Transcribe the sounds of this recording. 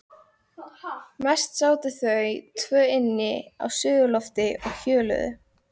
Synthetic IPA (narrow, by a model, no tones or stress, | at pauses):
mɛst̪saːwt̪ɪθœɥt̪ʰvœːɪnːɪa̰wsʏːðʏlɔft̪ɪɔɣçœːlœ̰ðʏ̰